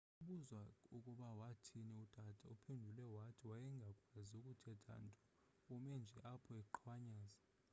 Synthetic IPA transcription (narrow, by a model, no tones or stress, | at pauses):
uɓuzwaukʼuɓawatʰinɛud̥ʱad̥ʱaupʰendʱulɛwatʰiwajɛŋɡʱakʼwaziukʼutʰɛd̥ʰʱa̰ntʼɔ | ɔmɛnd͡ʒʱɛʔapʰɔɛǃʰwaɲaːza